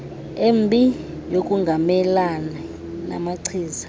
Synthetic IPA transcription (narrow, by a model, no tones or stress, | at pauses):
embʱi | jokʼuŋɡʱamɛlanɛ | na̰maǀʰiːzḁ